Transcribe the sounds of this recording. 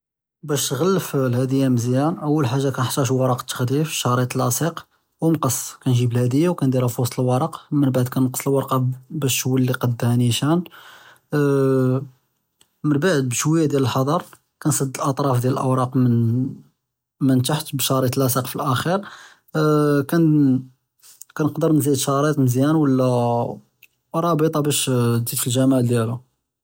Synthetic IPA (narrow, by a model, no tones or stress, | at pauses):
bæʃt̪ɣælːəflhæd̪əjːæməzjænʔəwːəlħaʒːakænħt̪ːæʃ̬wɑɾˤɑqt̪ːə̥xd̪ifi̥ʃɑɾˤit̪əlɑsiq | wnqɑsˤːkænʒiblhæd̪əjːawkænd̪ælæfusˤt̪ˤəlwɑɾˤɑqmənbaʕd̪̚kænqə̥sˤəlwɑɾˤqɑbæʃwəlːiqɑd̪ːhæniʃæn | mənbaʕəd̪̚bʃwəjːæd̪jæləlħɑd̪ˤɑɾˤ | kænsˤɑd̪ːəlʔɑt̪ˤɾˤɑfd̪jæləlʔəwɾˤɑqmən | mənt̪aħt̪bʃɑɾˤit̪lʔæsiqfilʔæxiɾ | kæn | kænəqd̪əɾnzid̪ʃɑɾˤit̪ˤməzjænwəlːæ | ɾˤɑbət̪ˤɑbæʃd̪it̪fəlʒæmaʕd̪jælu